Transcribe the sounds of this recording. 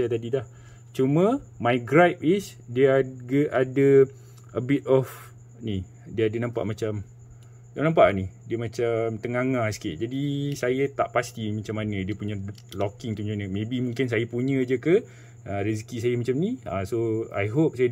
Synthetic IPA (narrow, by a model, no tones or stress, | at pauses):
at̪adidah | t͡ʃumə̃majɡɾajp̚is | dəaɡəʔadə | ʔəbit̪̚ɔf | ni | diəadənãmpa̰ʔmat͡ʃam | danãmpaʔnidiəmãt͡ʃamt̪əŋaŋahsə̥kiʔ̚d͡ʒadisajat̪aʔpast̪imat͡ʃamːanə̃diəpuɲə̃lɔkɪŋt̪umɲanəmẽbimũŋkɪns̬ajapuɲə̃d͡ʒəkə | aɾiskisajəmat͡ʃamnia̰soa̰jɦop̚saja